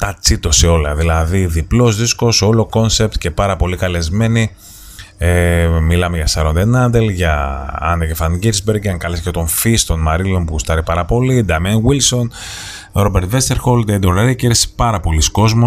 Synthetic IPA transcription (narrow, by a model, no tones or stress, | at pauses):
t̪ɐt͡sit̪o̞seo̞lɐðilɐðiðiplo̞zðisko̞so̞lo̞ko̞nse̞p̚t̪ce̞pɐɾɐpo̞likɐle̞zme̞ni | emilɐmeʝɐsɐɾond̪enɐnd̪e̞lʝɐɐ̰necefɐnɡiɾzbe̞ɾɡɐŋkɐlscet̪o̞ɱfist̪o̞nmɐɾilo̞npuust̪ɐɾipɐɾɐpo̞lid̪ɐmɐnwilso̞n | ɾo̞be̞ɾt̪vest̪eɾxo̞ld̪ed̪olɐɾiɐceiɾesi̥pɐɾɐpo̞lisko̞zmo